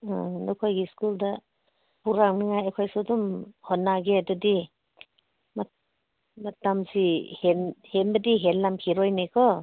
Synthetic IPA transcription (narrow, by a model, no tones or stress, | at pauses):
a̰nɔkʰojɡiskulda | puɾaŋnɯŋajakʰɔjsudɔmhɔnːaɡeadudi | ma | matamsihenhenbɐdiɦelːamkʰiɾɔjnekʰɔ